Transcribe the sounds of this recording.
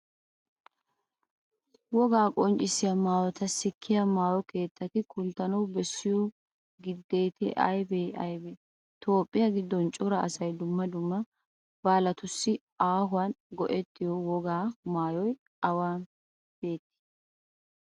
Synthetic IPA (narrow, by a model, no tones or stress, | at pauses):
wɔɡaːkʼɔnt͡ʃʼɪsɪjɐmaːjɔt̪ɐsɪkʰːɪjɐmaːjɔke̞ːt̪ːɐt̪ɪkʰʊnt̪ːɐnɐwbɛsːɪjɔ | ɡɪd̪ːe̞ːt̪ɪʔɐ̰jbeʔɐjbɛ | t̪o̞ːpʼːɪjɐɡɪd̪ːɔnt͡ʃʼɔɾɐɐsɐjd̪ʊmːɐd̪ʊmːɐ | b̥aːlɐt̪ʊsːɪ | aːɦʊwanɡɔʔɛt̪ːɪjɔwɔɡaːmaːjɔj | ʔɐwaːn | b̥e̞ːt̪ːɪ̥